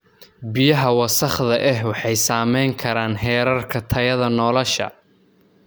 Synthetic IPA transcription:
bɪjɐɦɐwɑsɐχðɐʔɛɦwɑħɑjsaːmɛjŋkʰɐɾaːnɦɛːɾɐrkʰɐt̪ʰɐjɐðɐnɔlɔʃɐ̰

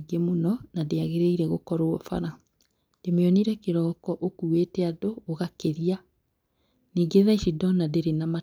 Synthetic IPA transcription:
ɡemonɔnadeaɣeɾeiɾɛɣokɔɾoɔfa̰ɾa | d̥emeɔniɾɛkeɾɔːkɔʔokuetɛadoːɣakeɾia | niːɡeðaiʃidɔnadeɾenama

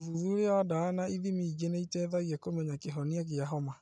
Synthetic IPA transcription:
vuðuɾeɔadaːnaiðimiiɡeneitɛðaɣiɛkomɛɲakeɦɔniaɣeaɦɔma

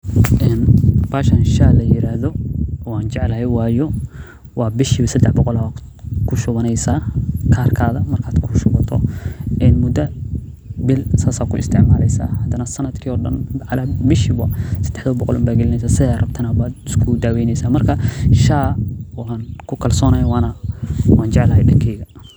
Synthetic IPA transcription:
ʔɛːnbaːʃanʃaːlɐjɪɾaːhðɔɔaːnt͡ʃɛʕlɐɦɛjwɑːjɔ | wɑːbɪʃiβɐsɐd̪ɛħbɔqɔlː | kʰʊʃʊβɐnɛjsaːkʰaːrkʰaːðɐmɐrkʰaːd̪kʰʊʃʊβɐt̪ʰɔ̰ʔɛːnmʊd̪ɐ | bɪlsaːsaːkʰʊɪ̰st̪ʰɪʕmaːlɛjsa̰ːhɐd̪ɐnɐsɐnɐd̪kʰiɔːɖɐ̰nʕalabɪʃibɐsɐ̥d̪̥ɛħðɐbɔqɔ̰lʊ̰mbaːɡɛlɪnɛjsaːsɪðarɐbt̪ʰɐnabaːd̪ɪskʰʊd̪aːwɛjnɛjsaːmɐrkʰɐʃaːankʰʊkʰɐlsɔːnɐjwɑːnɐwɑːnt͡ʃɛʕlɐɦɛjɖɐŋkʰɛːɣɐ

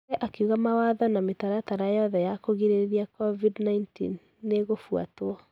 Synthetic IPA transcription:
ɛʔakeuɣamawaðɔnametaɾataɾajɔðɛjakoɣiɾeɾiakɔvidnaintḭnː | eɣofua̰toɔ

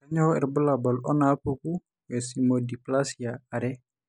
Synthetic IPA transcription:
aɲɔhɔɛrbəlabalʔɔnaːpuku | jɛsimodiplasiaːɾɛ

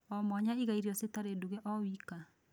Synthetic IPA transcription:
ɔmɔɲaiɣaiɾiɔsetaɾeduɣɛʔɔwika

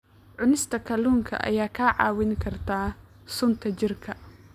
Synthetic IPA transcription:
ʕʊnɪst̪ʰɐkʰɐluːŋkʰɐ̰ʔɐ̰jaːkʰaːʕɑ̰ːwɪŋkʰɐrt̪ʰaː | sʊnt̪ʰɐt͡ʃɪrkʰɐ

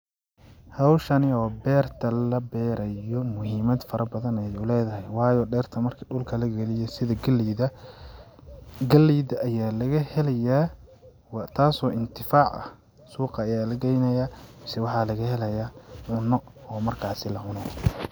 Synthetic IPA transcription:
hɑwʃɐnɪɔːbɛːrt̪ʰɐlɐbɛːɾɐjɔmʊhiːmɐd̪fɐɾɐbɐðɐnɛjʊlɛːðɐɦɛjwɑːjɔːɖɛːrt̪ʰɐmɐrkʰɐɖʊlkʰɐlɐɡɛlɪjɛsɪðɐɡlɐ | ɡɐliːðɐɐjaːlɐɣɐhɛlɛjaː | t̪ʰaːsɔːʔɪnt̪ʰɪfaːʕɐ̰h | suːqɑːjaːlɐɡɛjnɐjaːmɪsɛwɑħɑlɐɣɐhɛlɐjaːʕʊnɔ | ɔːmɐrkʰaːsɪlɐʕʊnɔ

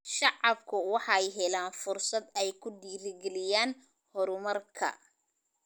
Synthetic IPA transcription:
ʃɑʕɑbkʰʊwɑħɑjɦɛlaːnfʊrsɐd̪ɛjkʰʊd̪iːɾɪɡɛlɪjaːn | hɔɾʊmɐrkʰɐ̰

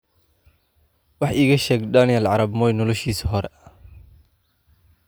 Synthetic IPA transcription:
wɑħʔiːɣɐʃɛːɡd̪ɐnɪjɐlʕɑɾɐbmɔjnɔlɔʃiːsɦɔɾɛ

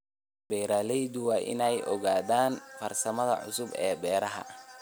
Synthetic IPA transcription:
bɛjɾaːlɛjðʊwɑːʔɪ̰nɛjʔɔɣaːðaːnfɐrsɐmɐðɐ̰ʕʊ̰sʊbɛːbɛːɾɐɦɐ̰

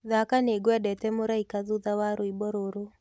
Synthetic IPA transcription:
ðakaneɡwɛdɛtɛmoɾaikaðuðawaɾoibɔɾoɾo

